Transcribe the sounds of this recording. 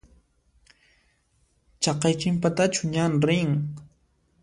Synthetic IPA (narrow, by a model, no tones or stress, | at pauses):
t͡ʃɑqɑjt͡ʃɪmpat̪at͡ʃʊɲanɾɪŋ